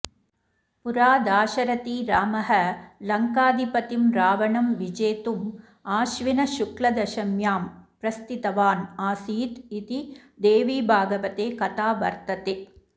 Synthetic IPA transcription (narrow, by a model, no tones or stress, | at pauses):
puɾaːd̪aːʃɐɾɐt̪iːɾaːmɐɦɐlɐŋkaːd̪ipɐt̪imɾaːʋɐɳɐmʋid͡ʒeːt̪um | aːʃʋinɐʃuklɐd̪ɐʃɐmjaːmpɾɐst̪it̪ɐʋaːnaːsiːt̪it̪id̪eːʋiːbʱaːɡɐʋɐt̪eːkɐt̪aːʋɐ̰ɾt̪ɐt̪eː